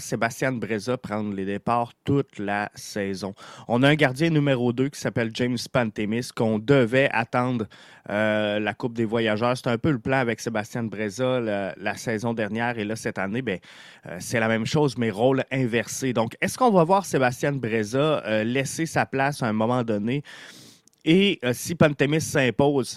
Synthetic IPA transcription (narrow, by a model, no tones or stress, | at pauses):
sebast̪jɛ̃bʁezapʁɑ̃d̪ləd̪epaːʁt̪ʊt̪lasɛːzɔ̃ɔ̃naœ̃ɡaʁd̪jɛ̃nymeʁod̪økʲi̥sapɛld͡ʒɛ̃mspãnt̪emɪskɔ̃d̪əvɛʔa̰t̪ɑ̃ːd̪ʁølakʊp̚d̪evwajaʒœːʁse̥t̪ɛ̃pøləplɑ̃avɛksebast̪jɛ̃bʁezalalasɛːzɔ̃d̪ɛʁnjɛːʁelʌsɛt̪anebɛ̃ | ø̰sɛlamɛ̃mʃɔzmɛʁolɛ̃vɛʁsed̪ɔ̃kɛskɔ̃d̪wavwaːʁsebast̪jɛ̃bʁezalɛsesaplasɛ̃mɔmɑ̃d̪ɔne | esipãnt̪emɪsːɛ̃poːz